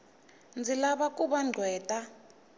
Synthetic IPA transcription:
nd͡zʱilaɓakʼuɓaŋ͡ǀʱwɛːtʼa

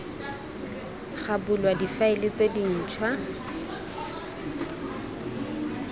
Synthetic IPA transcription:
χabʊlwadifaɪlɪt͡sedin̩ːt͡ʃʰwa

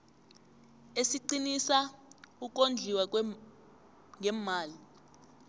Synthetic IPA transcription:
esiǃinisauk̬ʼond͡ɮʱiwa | ŋʱɛmaːli

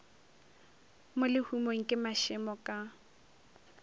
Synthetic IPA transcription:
mʊlɪhumoŋ̩kʼɪmaʃɪmɔkʼa

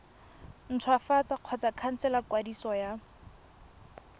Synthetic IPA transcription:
n̩tʰʊafat͡saq͡χʰɔt͡sakʰan̩sɛlakwadisɔja

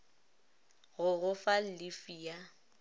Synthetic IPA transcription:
ɣʊɣʊfal̩lɪfiːa

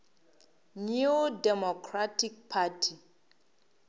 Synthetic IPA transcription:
nudɛmɔkʰratik̚pʰatʰi

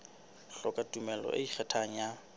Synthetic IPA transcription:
ɬɔkʼatʼumɛlɔ̰ʔeiχʰɛtʰaŋ̩ja

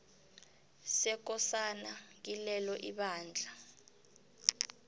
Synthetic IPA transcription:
sɛk̬ɔsanak̬ilɛlɔʔiɓaːnd͡ɮʱa

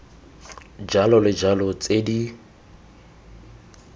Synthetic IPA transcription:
d͡ʒalɔlɪd͡ʒalɔt͡sʼedi

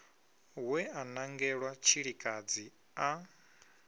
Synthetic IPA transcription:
wɛanaŋɡɛɺwat͡ʃʰiɺikʼad͡zi | a

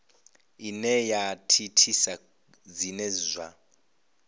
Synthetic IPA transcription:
inɛjatʰitʰisa | d͡zinɛzʷa

